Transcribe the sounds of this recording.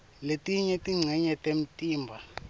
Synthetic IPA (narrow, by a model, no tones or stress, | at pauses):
letʼiɲɛtʼiŋ͡ǀʱɛɲɛtʼem̩tʼiːmbʱa